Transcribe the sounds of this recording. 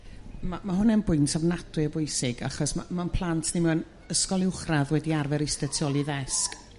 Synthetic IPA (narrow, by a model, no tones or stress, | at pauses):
mamaɦʊnɛnbʊɨntʰavnatwɨəbʊɨsɪɡa̰χɔsmamanpʰlˠantʰnimɛən | əskɔlˠɪwχraðwɛdiarvɛɾɪstɛtʰjɔlˠiðɛsk